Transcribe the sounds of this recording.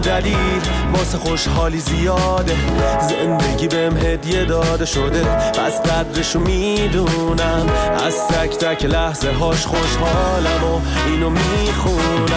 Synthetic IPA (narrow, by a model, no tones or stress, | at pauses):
d̪æliːl | mɒːseχo̞ʃhɒːliːzijɒːd̪ezend̪eɟiːbemɦe̞d̪ijed̪ɒːd̪e̞ʃod̪epæsɡæd̪ɾeʃomiːd̪uːnæmʔæ̰zt̪ʰæcʰt̪ʰæcʰelæhzeɦɒːʃχoʃhɒːlæbo | iːnomiː | xu | næ